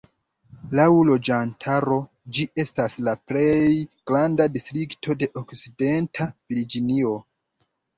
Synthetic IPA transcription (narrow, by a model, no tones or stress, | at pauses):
lawlo̞d͡ʒantʰaɾo̞ | d͡ʒiʔe̞staslaple̞jɡ̥ɾandadistɾiktʰo̞de̞ʔokt͡side̞ntʰaviɾd͡ʒinio̞